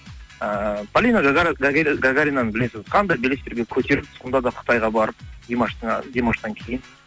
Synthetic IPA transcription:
əpʰalʲinoɡɡɡaɡɡaɡaɾʲijnɑnəbɪle̞sɪzqʰɑnd̪ɑjbelest̪eɾɡʲe̞kʲʰɵt̪e̞ɾɪp̪̚ʊ̥sqənd̪ɑd̪ɑqʰə̥t̪ɑjʁɑbɑɾəp̚d̪emɑʃt̪d̪ʲemɑʃt̪ɑŋkʲʰe̞jɪn

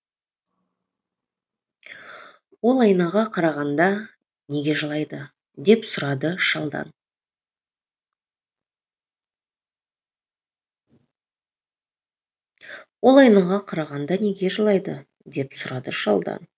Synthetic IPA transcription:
wo̞lˠɑjnɑʁɑqʰɑɾɑʁɑnd̪ɑ | ne̞ɡʲe̞ʒəlˠɑjd̪ə | d̪e̞psʊɾɑd̪əʃɑlˠd̪ɑ̰n | wo̞lˠɑjnɑʁɑqʰɑɾɑʁɑnd̪ɑne̞ɡʲe̞ʒəlˠɑjd̪ə | d̪e̞psʊɾɑd̪əʃɑ̰lˠd̪ɑ̰n

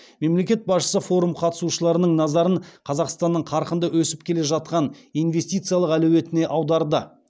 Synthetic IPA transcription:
me̞mle̞kʲe̞t̪̚bɑsʃə̥səfo̞ɾumqʰɑt̪ə̥suʃəlˠɑɾənəɴnɑzɑɾəɴqʰɑzɑqst̪ɑnːəɴqʰɑɾqənd̪əwɵsɪp̚kʲʰe̞le̞ʒɑt̪̚qɑnijnve̞st̪ijt̪sɨjɑlˠəqælɵwe̞t̪ɪne̞ʔɑwd̪ɑɾd̪ə

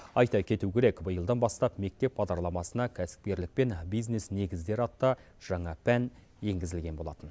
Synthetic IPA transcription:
ɑjt̪ɑkʲʰe̞t̪ukʲʰe̞ɾe̞kbəjəlˠd̪ɑnbɑst̪ɑpme̞k̚t̪e̞pbɑd̪ɑɾlˠɑmɑsənɑkʲʰæsɪ̥p̚kʲe̞ɾlɪk̚pe̞nbijzne̞sne̞ɡʲɪzd̪e̞ɾɑt̪ːɑ | ʒ̥ɑɴɑpʰæn | je̞ŋɡʲɪzɪlɡʲe̞nbo̞lˠɑ̰t̪ən

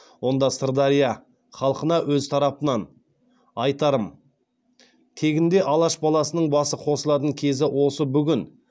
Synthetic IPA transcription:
wo̞nd̪ɑst̪əɾd̪ɑɾijɑ | χɑlˠqənɑwɵzt̪ʰɑɾɑpənɑn | ɑjt̪ɑɾəm | t̪ʰe̞ɡʲɪnd̪e̞ʔɑlˠɑʃbɑlˠɑsənəɴbɑsəqʰo̞səlˠɑt̪̬əŋkʲʰe̞zɪwo̞səbʏɡʲɪn

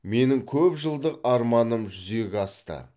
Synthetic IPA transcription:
me̞nɪŋkʲʰɵpʒəlˠd̪əqɑɾmɑnəmʒʏze̞ɡʲɑst̪ə̰

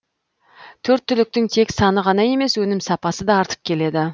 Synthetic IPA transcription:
t̪ʰɵɾt̪ʰːʏlɪk̚t̪ɪŋt̪ʰe̞ksɑnəʁɑnɑje̞me̞swɵnɪmsɑpɑsəd̪ɑːɾt̪ə̥p̚kʲʰe̞le̞d̪ɪ

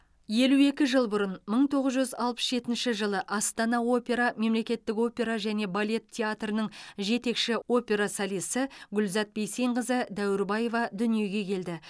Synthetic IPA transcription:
je̞lue̞kʲɪʒəlˠbʊɾənməɴt̪ʰo̞ʁəzʒʏzɑlˠpə̥sʒe̞t̪ɪnʃɪʒəlˠəʔɑst̪ɑnɑo̞pʲe̞ɾɑme̞mle̞kʲe̞t̪ːɪko̞pʲe̞ɾɑʒæne̞balʲe̞t̪ʰʲːeat̪rənəɴʒe̞t̪e̞kʃɪo̞pʲe̞ɾasɑlijsəɡʲʏlzɑt̪̚be̞jse̞jɴʁəzəd̪æwɪɾbɑje̞vɑd̪ʏnije̞ɡʲe̞kʲʰe̞ld̪ɪ

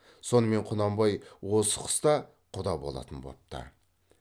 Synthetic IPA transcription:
so̞nəme̞ɴqʰʊnɑmbɑjwosə̥qʰə̥st̪ɑ | qʰʊd̪ɑbo̞̰lˠɑ̰t̪ənbo̰p̚t̪ə̰

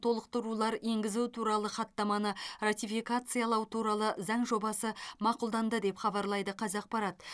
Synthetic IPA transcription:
t̪ʰo̞lˠəq̚t̪əɾulˠɑɾe̞ŋɡʲɪzut̪ʰuɾɑlˠəχɑt̪ːɑmɑnərat̪ifijkat̪sɨjɑlˠɑwt̪ʰuɾɑlˠəzɑɴʒo̞bɑsəmɑqʊlˠd̪ɑnd̪əd̪e̞pχɑbɑɾlˠɑjd̪əqʰɑzɑq̚pɑɾɑt̪

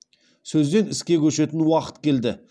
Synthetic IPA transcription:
sɵzd̪e̞nɪskʲe̞kʲʰɵʃe̞t̪ɪnwɑqə̥t̪kʲʰe̞ld̪ɪ

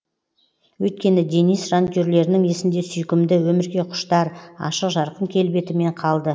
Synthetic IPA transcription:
wɵjt̪̚kʲe̞nɪd̪enijsʒant̪ʲøɾle̞ɾɪnɪŋesɪnd̪e̞sʏjkʲɪmd̪ɪwɵmɪɾɡʲe̞qʰʊ̥ʃt̪ɑɾɑ̰ʃəqʒɑɾqənkʲʰe̞lbe̞t̪ɪme̞ɴqʰɑlˠd̪ə

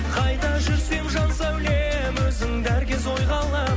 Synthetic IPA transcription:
qʰɑjd̪ɑʒʏɾse̞mʒɑnsɑwle | mɵzɪŋd̪æɾkʲezo̞jʁɑlˠɑ

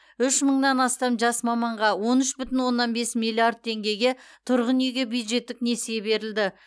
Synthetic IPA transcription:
ʏʃməɴnɑnɑst̪ɑmʒɑsmɑmɑɴʁɑwo̞nʏʃbʏt̪ɪnwo̞nːɑnbe̞smilʲˠiard̪̚t̪ʰe̞ŋɡʲe̞ɡʲe̞t̪ʰʊɾʁənjeɡʲe̞bjud̪ʒe̞t̪ːɪknesjebe̞ɾɪld̪ɪ

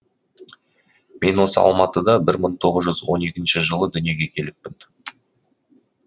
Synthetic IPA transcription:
me̞nwo̞səɑ̰lˠmɑt̪əd̪ɑbɪɾməɴt̪ʰo̞ʁəzʒʏzwo̞ne̞kʲɪnʃɪʒəlˠəd̪ʏnije̞ɡʲe̞kʲʰe̞lɪp̚ːɪn

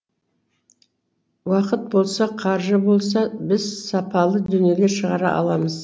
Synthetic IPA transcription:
wɑqət̪̚bo̞lˠsɑqʰɑɾʒəbo̞lˠs̬ɑbɪzsɑpɑlˠəd̪ʏne̞le̞ʃəʁɑɾɑ̰ʔɑ̰lˠɑməz

